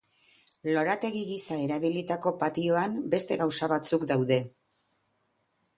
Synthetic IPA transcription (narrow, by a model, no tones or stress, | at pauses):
lo̞ɾat̪e̞ɣiɣisae̞ɾaβilit̪ako̞pat̪io̞ambe̞st̪e̞ɣawsaβat͡sukd̪awðe̞